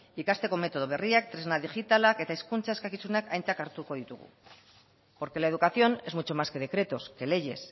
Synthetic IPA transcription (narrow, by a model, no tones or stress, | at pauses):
ikast̪e̞ko̞me̞t̪o̞ð̞oβ̞e̞riak̚t̪ɾe̞znaðiʝit̪alake̞t̪aiskunt͡sae̞skakisunakʰajnt͡sakaɾt̪uko̞ðit̪uɣṵ | po̞ɾke̞lae̞ð̞ukaθio̞ne̞zmut͡ʃo̞maske̞ðe̞kɾe̞t̪o̞ske̞le̞ʝe̞s